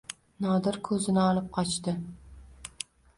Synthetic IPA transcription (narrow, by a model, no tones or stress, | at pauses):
nɒd̪ɪɾkʰɵzɪnɪɒlˠɪp̚qʰɒt͡ʃt̪ɪ